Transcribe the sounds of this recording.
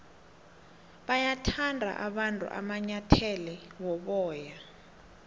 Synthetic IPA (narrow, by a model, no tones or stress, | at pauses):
ɓajatʰandʱa̰ʔaɓantʼṵʔa̰maɲatʰɛlɛwɔɓɔːja